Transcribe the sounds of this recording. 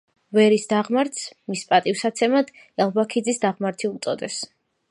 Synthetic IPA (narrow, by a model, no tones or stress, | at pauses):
vɛɾisd̪aʁmaɾt̪smispʼat̪ʼivsat̪sʰɛmad̪̥ | ɛlˠbakʰid̪zisd̪aʁmaɾt̪ʰiut̪sʼɔd̪ɛs